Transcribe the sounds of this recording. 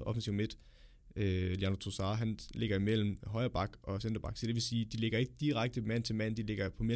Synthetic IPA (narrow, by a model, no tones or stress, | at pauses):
ɒ̽fn̩siʊ̰med̥ | øliɑnɐt͡sʰosɑ̈ːɦænle̝ɡ̥ɐimel̰m̩ɦɒ̽ɪɐb̥ɑ̈ɡ̥ʔɒ̽send̥ɐb̥ɑ̈ɡ̥sɒ̽d̥e̝ʋe̝siːd̥ile̝ɡ̥ɐe̝ɡ̥əd̥iʁaɡ̥̚d̥əmæn̰n̩t͡sʰe̝lmæn̰nd̥ile̝ɡ̥ɐpʰɒ̽me